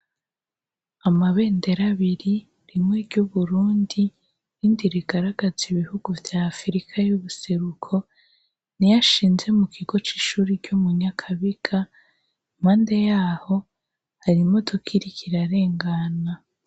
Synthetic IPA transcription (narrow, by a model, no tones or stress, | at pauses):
amaβe̞ːnde̞ɾaβiɾi | ɾimŋeɾɟuβuɾuːndi | ɾiːndiɾiɡaɾaɡ̥aziβihuɡuvjaːfɾikʰajuβuse̞ɾukʰo̞ | nijaʃiːnze̞mukʰiɡo̞t͡ʃi̥ːʃuːɾiɾɟumuɲakʰaβiɡ̥a | m̥haːnde̞jaːho̞ | haɾimodukʰiɾikʰiɾaɾe̞ːŋɡana